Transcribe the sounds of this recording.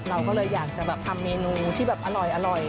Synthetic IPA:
ɾa˧wkɔː˥˩lɤː˧jːaː˨˩k̚t͡ɕa˨˩bɛː˨˩p̚t̪ʰa˧mːeː˧nuː˧t̪ʰiː˥˩bɛː˨˩p̚ʔa˧ɾɔ˨˩jʔa˧ɾɔ˨˩j

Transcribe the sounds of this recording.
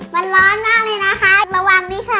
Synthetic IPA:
ma˧nlɔː˦˥nmaː˥˩k̚lɤː˧˩jna˦˥kʰa˦˥˨k̚la˧wa˧ŋniː˦˥kʰa˧˩

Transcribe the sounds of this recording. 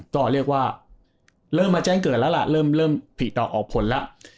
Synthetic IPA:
kɔː˥˩ɾi˥˩ək̚waː˥˩ | ɾɤː˥˩mːaː˧t͡ɕɛː˥˩ŋkɤː˨˩t̪̚lɛ˦˥wla̰˧˩ʔɾɤː˥˩mlɤː˥˩mpʰi˨˩t̪̚d̪ɔː˨˩k̚ʔɔː˨˩k̚pʰo˩˦nla˦˥ʔ

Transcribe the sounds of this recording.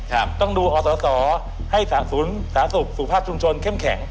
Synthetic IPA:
ka˧pt̪ɔ˧˩ŋɗuː˧ʔɔː˨˦sɔː˨˦sɔː˩˦ | ha˧˩jsaː˩˦nsu˨˦nsaː˩˦nsu˨˩k̚su˨˩pʰaː˥˩p̚t͡ɕu˧ŋ͡mt͡ɕwo˧nkʰe˥˩mkʰɛ˩˦ŋ

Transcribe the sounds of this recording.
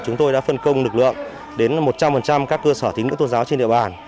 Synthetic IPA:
t͡ɕʊ˨˦ŋ͡mt̪o˧jɗa̰ː˧˥fə˧˩nkə˧wŋ͡mlɨ˨˩k̚lɨ̰˧˨əŋ | ɗe˨˦nmo˨˩t̚t͡ɕa˧mfə˨˩nt͡ɕa˧mkaː˦˥kːəː˧səː˧˩i˨˦ŋɨ̰˧˥t̪o˧nzaː˨˦wt͡ɕe˧nɗḭ˧˨ə˨ɓaː˨˩n

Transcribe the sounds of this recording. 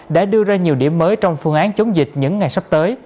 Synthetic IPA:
ɗa̰ː˧˥ɗɨ˧əzaː˧ɲi˨˩əwɗḭ˧˩əmːəː˨˦jt͡ɕɔ˧wŋ͡mfɨ˧əŋʔaː˨˦nt͡ɕə˨˦wŋ͡mzï˨˩k̟̚ɲɨ̰˧˥ŋːa˨˩jsa˦˥p̚t̪əː˨˦j

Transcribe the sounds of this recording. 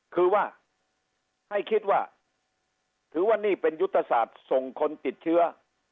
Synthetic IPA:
kʰɯː˧waː˥˩ | ha˥˩jkʰi˦˥t̪̚waː˥˩ | t̪ʰɯː˩˦waː˥˩niː˥˩pe˧nju˦˥t̪ʰːa˧saː˨˩t̪̚so˨˩ŋkʰo˧nt̪i˨˩t̪̚t͡ɕʰɯ˦˥ɐ

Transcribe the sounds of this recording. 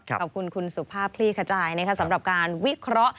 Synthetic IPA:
ɔ˨˩p̚kʰu˧nkʰu˧nsu˨˩pʰaː˥˩p̚kʰliː˥˩kʰa˧t͡ɕaː˧jna˦˥kʰa˦˥sa˩˦mɾa˨˩p̚kaː˧nwi˦˥kʰɾɔ˦˥ʔ

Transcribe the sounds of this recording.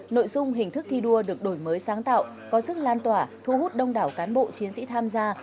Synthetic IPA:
no̰˧˨jzʊ˧ŋ͡mɦï˨˩ŋ̟t̪ʰɨ˦˥k̚t̪ʰi˧ɗu˧əɗɨ˨˩ək̚ɗo˧˩jməː˨˦jsaː˨˦ŋt̪a̰ː˧˨w | kɔ˨˦sɨ˦˥k̚laː˧nt̪waː˧˩t̪ʰu˧hu˦˥t̚ɗə˧wŋ͡mɗaː˧˩wkaː˨˦nɓo̰˧˨t͡ɕi˨˦ənsḭ˧˥t̪ʰaː˧mzaː˧

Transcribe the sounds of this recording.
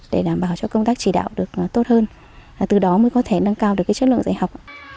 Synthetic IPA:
ɗe˧˩ɗaː˧˩mɓaː˧˩wt͡ɕɔ˧kə˧wŋ͡mt̪aː˦˥k̚t͡ɕi˧˩ɗa̰ː˧˨wɗɨ˨˩ək̚t̪o˦˥t̚həː˧n˨˩ | t̪ɨ˨˩ɗɔ˨˦mə˨˦kɔ˨˦t̪ʰe˧˩na˧ŋkaː˧wɗɨ˨˩kːsə˦˥tlɨ̰˧əŋzaː˧˩jha˨˩wk͡p̚ʔ

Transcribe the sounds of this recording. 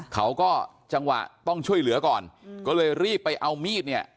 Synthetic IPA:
kʰa˦˥wkɔː˥˩ | t͡ɕa˧ŋwa̰˨˩ʔt̪ɔ˥˩ŋt͡ɕʰu˥˩əjlɯ˩˦ɐkɔː˨˩nkɔː˥˩lɤː˧jɾiː˥˩pːa˧jʔa˧wmiː˥˩t̪̚ni˥˩ɐʔ

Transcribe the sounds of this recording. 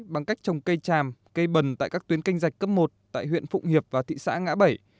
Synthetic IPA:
ɓa˨˧˩ŋka˦˥jk̚t͡ɕə˨˩wŋ͡mkə˧jt͡ɕaː˨˩mkə˧jɓə˨˩nt̪a̰ː˧˨jkaː˦˥k̚t̪i˨˦nki˧ŋ̟za˨˩jk̟̚kə˦˥p̚mo˨˩t̚t̪a̰ː˧˨jɦwḭ˧˨ənfʊ̰˧˨ŋ͡mhi˨˩əp̚vaː˨˩t̪ʰḭ˧˨sa̰ː˧˥ŋa̰ː˧˥ɓə˧˩j

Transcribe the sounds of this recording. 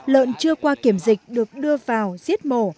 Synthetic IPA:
lə̰ː˧˨nt͡ɕɨ˧əkwaː˧ki˧˩əmzï˨˩k̟̚ɗɨ˨˩ək̚ɗɨ˧əvaː˨˩wzi˦˥ət̚mo˧˩

